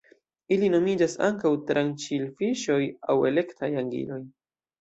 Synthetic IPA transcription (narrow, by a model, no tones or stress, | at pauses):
ilino̞mid͡ʒasa̰ŋkawtɾant͡ʃilfiʃo̞jawe̞le̞ktʰajaŋɡḭlo̞j